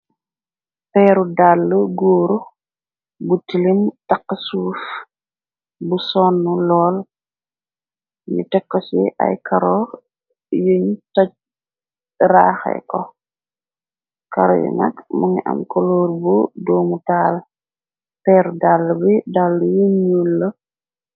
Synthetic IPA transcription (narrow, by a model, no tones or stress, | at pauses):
pɛːɾudalːəɡoːɾu | butilimtaqːəsuːf | busɔnːulɔːl | ɲṵtɛkːɔsiʔa̰jkaɾɔː | jəɲtɔc̚ | raːxɛ̰kɔ | kaɾɔ̰jɛ̰nɐ̰kmuŋiʔɐ̰mkɔloːɾbudɔːmutaːl | tɛɾdalːbidalːujəɲulːɐ